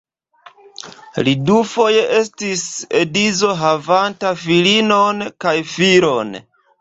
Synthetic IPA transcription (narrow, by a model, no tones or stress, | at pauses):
lidufo̞je̞ʔe̞stise̞dizo̞ɦavantafilino̞nkajfiɾo̞n